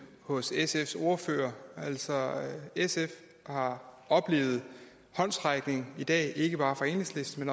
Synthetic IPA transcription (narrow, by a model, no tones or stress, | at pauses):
hɔ̽sesefso̝ɐfø̰ːɐæl̰sɒ̽esef | hɑ̈ | ɒ̽b̥le̝̰ːʊð̞̩ˠ | hɒ̽n̰sʁɑɡ̥ne̝ŋid̥ɛ̰ːe̝ɡ̥əb̥ɑ̈ːfɑe̝̰ːne̝ŋsle̝sd̥men